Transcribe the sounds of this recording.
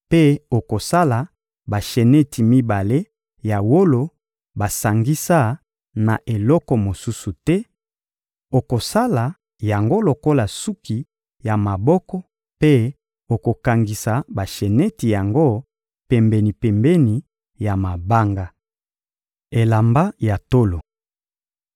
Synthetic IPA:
pe˦o˨ko˨sa˦la˨ | ba˨ʃe˨nɛ˦ti˨mi˦ba˨le˦ | ja˨wo˦lo˨ | ba˨sa˨ŋɡi˦sa˦ | na˨ʔe˨lɔ˦kɔ˨mo˨su˦su˨tɛ˦ | o˨ko˨sa˦la˨ | ja˨ŋɡo˦lo˨ko˦la˨su˦ki˨ | ja˨ma˨bɔ˦kɔ˦ | pe˦ | o˨ko˨ka˨ŋɡi˨sa˨ba˨ʃe˨nɛ˦ti˨ja˨ŋɡo˦ | pɛ˨mbɛ˨ni˨pɛ˨mbɛ˦ni˨ | ja˨ma˨ba˦ŋɡa˦ | e˨la˨mba˦ja˨to˦lo˨

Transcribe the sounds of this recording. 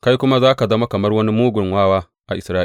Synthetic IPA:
ka˦jkʷʊ˦ma˦zaː˦ka˨zɐ˦ma˦kɐ˨mɐ˦rwɐ˦ni˦muː˦ɡʷʊ˨ŋwaː˦waː˦ | ʔa˨ʔɪ˨sɾaː˦ʔ

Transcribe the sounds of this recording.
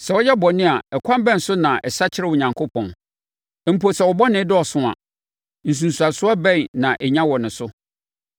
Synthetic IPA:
sɛ˨wɔ˦jɛ˦bɔ˨nɪ̃˦a˨ɛ˨kʷʰã˦m˦bɛ̃˦n˨sʊ˦nã˨ʔɛ˨sa˦t͡ɕʰɪ˦ɾɛ˦˨wʊ˨ɲã˨ŋkʰo˦pʰɔ̃˨n˨ | m̩˨po˨sɛ˨wɔ˨bɔ˦nɪ̃˨˦dɔ˦ɔ˨sʊ̃˦a̰˨ | n̩˨s̬ũ˨n˨su˨a˨sʊ˦a˦bɛ̃˦nnã˨ʔɛ˨ɲã˦wɔ˨nɪ̃˨sʊ˦

